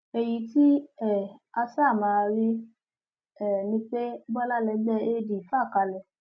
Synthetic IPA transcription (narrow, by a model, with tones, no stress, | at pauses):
e˨ji˧˦ti˦ɛ˦˨a˧sa˦˨mã˧˦˧ɾi˦ | ɛ˦˨nĩ˧k͡pe˦bɔ˦la˦lɛ˧˦ɡ͡bɛ˧e˦di˨fa˦˨ka˧lɛ˨